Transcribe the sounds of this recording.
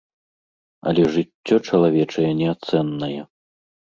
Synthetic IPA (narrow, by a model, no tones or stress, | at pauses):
ɐ̰lʲɛʐɨtʲːɔt͡ʂɐlˠavʲɛt͡ʂɐjɛnʲɛat̪sɛnːɐjɛ